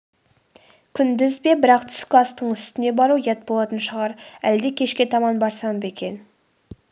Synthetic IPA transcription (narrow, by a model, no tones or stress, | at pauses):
kʲʰʏnd̪ɪzbe̞bɪɾɑqt̪ʰʏ̥skʲɪɑst̪əɴʏst̪ɪne̞bɑɾujet̪̚bolˠɑt̪ənʃəʁɑɾæld̪ekʲʰe̞ʃkʲe̞t̪ʰɑmɑnbɑɾsɑnəpe̞kʲe̞n